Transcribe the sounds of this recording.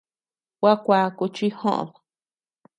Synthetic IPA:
wwa˦kʷa˧ku˧t͡ʃi˦hõ̰˦ʔo̰˧˨ðo˨

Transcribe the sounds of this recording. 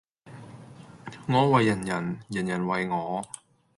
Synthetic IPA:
ŋɔː˨˧˥wɐ˨˧jːɐ˨˩njɐ˨˩njɐ˨˩njɐ˨˩nwɐ˧jŋɔː˨˧˥

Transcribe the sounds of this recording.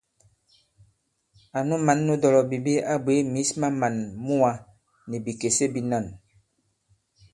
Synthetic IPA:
a˨nu˦ma˨˦nːu˦dɔ˨lɔ˨bi˨bi˦a˦bwe˨˦mi˨˦sma˦ma˨nmu˦a˨ | ni˨bi˨ke˨se˦bi˨na˦˨n

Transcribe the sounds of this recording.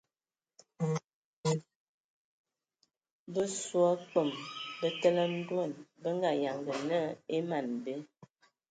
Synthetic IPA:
bə˦swa˦k͡pə˨mbə˦tə˦lə˦n̩˦dwə˦˨nbə˦ŋɡa˨ja˨ŋɡə˨nə˦e˦ma˨nbe˦

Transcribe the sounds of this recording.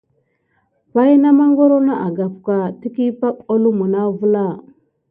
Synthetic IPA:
pa˦jna˦ma˦ŋɡo˦ɾo˦na˦ʔa˨ɡa˨pka˨ti˦ki˦pa˦ko˦lu˦mu˨na˦vu˦la˦˨

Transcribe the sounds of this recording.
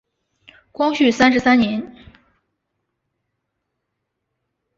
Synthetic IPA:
kwɑ˥ŋɕy˥˩sa˥nʂɻ̩˧˥sa˥nnjɛ˧˥n

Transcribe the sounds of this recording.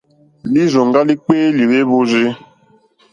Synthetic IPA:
li˦zɔ˨ŋ˨ɡa˦li˦k͡peː˦li˨ɾe˦βʊ˦zi˦

